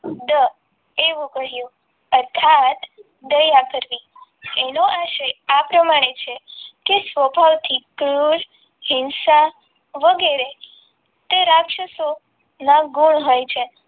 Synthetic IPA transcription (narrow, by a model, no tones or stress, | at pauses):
d̪ə | eʋũkəɦjũ | əɾt̪ʰat̪ | d̪əjakəɾʋienoʔaʃeapɾəmaɽ̃et͡ʃʰekesʋəpalt̪ʰikɾul | hɪnsa | ʋəɡeɾe | t̪eɾakʃəso | nãɡuɳɦojt͡ʃʰe